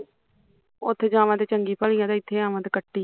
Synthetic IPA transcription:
ʊt̪ʰːed͡ʒaːʋãːt̪eːt͡ʃəŋɡiːpʰəlĩãːd̪aːɪt̪ʰːeːaːʋãːt̪eːkəʈːiː

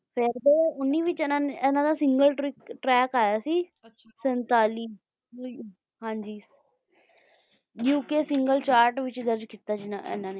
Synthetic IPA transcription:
pʰɪɾd̪eːʊnːiːʋɪt͡ʃːnãːneɛnãːd̪aːsɪ̃ŋɡəlɪʈɾɛːkaːjaːsiː | sənt̪aːliː | ɦãːɲd͡ʒiː | jjuːkeːsɪŋɡəlt͡ʃaːɾʈʋɪt͡ʃd̪əɾd͡ʒkiːt̪aːd͡ʒɪnaɛ̰nãːneː

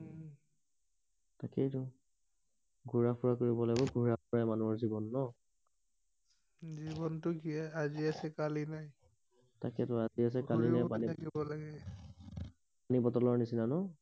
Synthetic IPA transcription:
takɛtʊ | ɡʱuɹapʊɹakoɹibɔlaɡbɔɡʱuɹapʊɹajmanuɔɹzibɔnːɔ | zibɔntʊkiɛaziasɛkalinaj | takɛtʊazias̬ɛkalinajpaniakibɔlaɡɛ | panibɔtɔlɔɹnisinanɔ

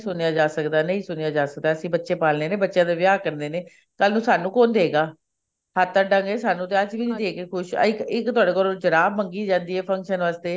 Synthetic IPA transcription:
sʊnejaːd͡ʒaːsəkd̪aːnə̃ĩːsʊnejaːd͡ʒaːsək̚d̪aːəsĩːbətːʃeːpaːlneːneːbətːʃjãːd̪eːʋjaːkəɾnd̪eːneː | kəlnũːsaːnũːkoːnd̪eːɡaː | hət̪ːaːɖəŋɡeːsaːnũːt̪eːəd͡ʒʋiːd̪eːkeːkʰʊʃɪkɪkt̪ʊwaːɖeːkoːɾod͡ʒəɾaːbməŋɡiːd͡ʒãːnd̪iːɛːpʰə̃ŋkʃənʋaːst̪eː

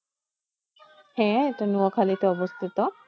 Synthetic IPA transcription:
hɛ̃eʈanuokʰalit̪eɔbost̪ʰit̪o

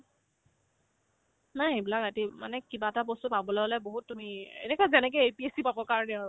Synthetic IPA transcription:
najebilakatimanɛkibatabɔstupabɔlɛɔlɛboɦutːumiḛnɛkɔjzɛnɛk̬ɛepiesipabɔkaɹɔnɛaɹʊ

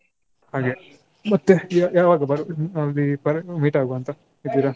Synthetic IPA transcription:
haːɡeː | mɐt̪ːejaːʋaːɡɐbɐɾuɐld̪ipɐɾmiːʈaːɡuɐnt̪ɐ | id̪iːɾa

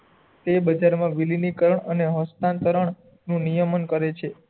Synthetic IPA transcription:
t̪ebəd͡ʒaɾmãʋilinikəɾəɳəneɦəst̪ãnt̪əɾəɳ | nũnijəmənkəɾet͡ʃʰe

